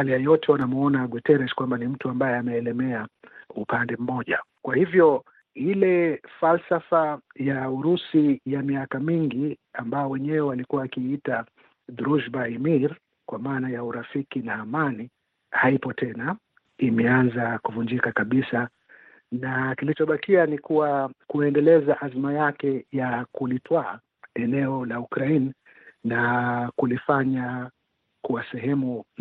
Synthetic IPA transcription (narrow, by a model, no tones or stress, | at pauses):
alijajɔtʰɛwanamuɔnaɡwitɛɾɛʃkwambanim̩tuambajɛamɛːlɛmɛaupandɛm̩mɔʄa̰kwahivjɔ | ilɛfalsafajauɾusijamiakamiŋɡiambaɔwɛɲɛwɛwalikuwaːkiita | ðuɾuʃbaimiɾ | kwamaːnajauɾafikinaːmani | haipɔtɛna | imɛanzakuvuɲd͡ʒikakaɓisa | nakilit͡ʃɔɓakianikuwakuɛndɛlɛzaʔazimajakɛjakulitwaː | ɛnɛɔlaukɾaini | nakulifaɲa | kuwasɛɦɛmu